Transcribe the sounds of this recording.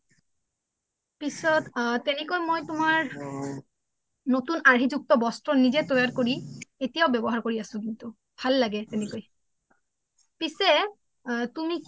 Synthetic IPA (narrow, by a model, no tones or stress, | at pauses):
pisɔt̪t̪ɛnekojmojt̪umaɹ | not̪unaɹɦid͡ʑuk̚t̪ɔbɔstɹɔnid͡ʑet̪ɔjaɹkoɹietijaobɛbɔɦaɹkoɹiasũk̬int̪u | bʱalːaɡɛt̪ɛnekoj | pise | t̪umi